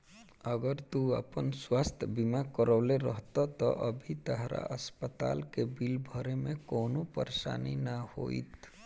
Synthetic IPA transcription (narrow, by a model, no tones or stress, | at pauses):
əɡəɾt̪uə̰pənswaːst̪ʰəbimakəɾɔːleɾəɦt̪at̪ɔ̰ʔəbʱit̪əɦɾa̰ʔəspət̪a̰ːlkebilbʱəɾemẽkoːnupə̰ɾʃa̰ːninaho̰ːḭt̪